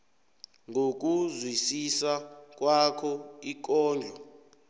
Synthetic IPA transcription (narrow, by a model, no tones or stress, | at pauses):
ŋʱok̬ʼuzwisisak̬ʼwakʰɔik̬ʼɔːnd͡ɮʱɔ